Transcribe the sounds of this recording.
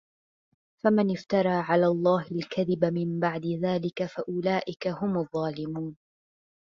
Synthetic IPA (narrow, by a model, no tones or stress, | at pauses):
famanɪft̪ɑɾˤɑːʕalaːlˤːɑːhalkaðɪbamɪmbaʕd̪ɪðaːlɪkafaʔʊlaːʔɪkahʊmɑðˤːɑːlɪmuːn